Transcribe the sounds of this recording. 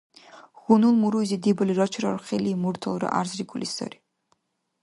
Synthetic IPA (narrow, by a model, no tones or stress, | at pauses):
ɣunulˠmuɾujzid̪ibliɾɔt͡ʃʰɾɔɾχɛliːmuɾt̪ʰɔlˠɾɔ̰ʔa̰ɾzɾikʰʼulḭsɔ̰ɾi